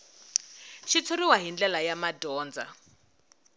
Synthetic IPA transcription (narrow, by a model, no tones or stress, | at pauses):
ʃit͡sʰoriwaɦind͡ɮɛlajamadɔːnd͡za̰